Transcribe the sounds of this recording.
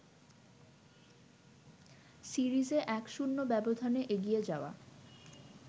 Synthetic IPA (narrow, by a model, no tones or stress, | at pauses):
siɾizeʔɛkʃunːobɛbod̪ʱaneʔeɡijed͡ʑaoa̰